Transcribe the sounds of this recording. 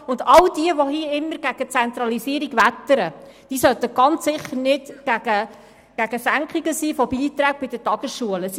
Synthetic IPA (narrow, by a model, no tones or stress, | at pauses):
ʊndɑld̥iəʋohiːəɪmːəɡ̥æɡ̥ət͡sɛnt̪ɾɑlisiəɾiɡʋætːəɾəd̥iːsœt̪əɡ̥ɑnt͡sːɪχːəɾnɪtɡ̥æɡ̥ə | ɡ̥æɡ̥əsæŋkχiɡəsiːfɔbiːt̪ɾæːɡ̚b̥ɪd̥ətɑɡ̥əsʃuələs